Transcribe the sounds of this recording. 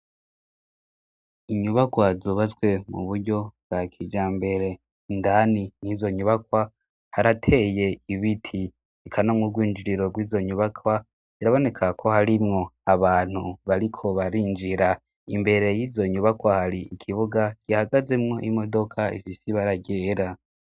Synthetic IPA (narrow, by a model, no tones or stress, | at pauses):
iɲuβakwazuβazɡwe̞mṵβuɾɟo̞bɡ̥akʰid͡ʒaːmbe̞ɾe̞ | ndaniniːzo̞ɲuβakwa | haɾatʰe̞je̞iβitʰi | ikʰanomŋuɡwiːnd͡ʒiɾiɾo̞ɡwiːzo̞ɲuβakʰwa | iɾaβo̞ne̞kʰakʰo̞haɾimŋo̞aβaːn̥huβaɾikʰo̞βaɾiːnd͡ʒiɾa | imbe̞ɾe̞jiːzo̞ɲuβakwahaɾiikʰiβuɡaɡ̥ihaɡaze̞mŋo̞ʔimo̞do̞kʰaḭfisiβaɾaɟeːɾa